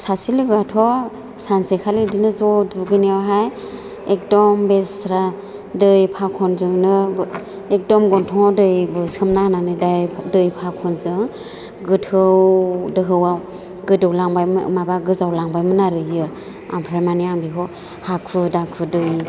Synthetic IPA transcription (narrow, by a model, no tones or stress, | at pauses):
sasilɯɡatʰɔ | sansekʰalidinɯzɔduɡɯnewaɦaj | ek̚dɔmbesɾa | dɯjpʰakʰɔnzɯŋnɯ | ek̚dɔmɡɔntʰɔŋɔdɯjbɯsʰɯmnananɯdajdɯjpʰakʰɔnzɯŋ | ɡɯtʰɯwdɯɦɯwaw | ɡɯdɯwlaŋbajmabaɡɯzawlaŋbajmɯnaɾɯjɯ | a̰mpʰɾaɾmaniaŋbikʰɔ | hakʰɯdakʰɯdɯj